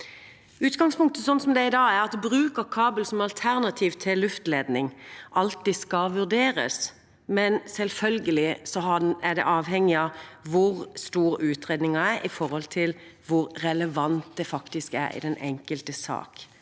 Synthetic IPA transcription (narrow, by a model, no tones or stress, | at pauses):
ʉːt̪ɡɑŋspʊŋk̚t̪əsɔnsɔmd̪ɛɪd̪ɑːɡæɾɑt̪bɾʉːkəɾkʰɑːbəlsɔmɑlt̪ʰæʁnɑt̪ʰiːʋt̪ʰɪlːʉft̪leːd̪nɪŋʔɑlt̪ːiskɑʋʉʁd̪eːɾə̰s | mɛnsɛlfœlɡəlɪsɔɦɑæd̪ɛ̰ʔɑːʋhɛŋːɪɑʋʊɾst̪uːɾʉːt̪ʁeːd̪nɪŋɑæɾʔɪfɔɾhɔlt̪ʰɪlʋʊɾɾɛləʋɑnt̪̚d̪ɛfɑkt̪ɪskæ̰ɾɪ̰d̪ɛnʔɛŋkəlt̪əsɑ̰ːk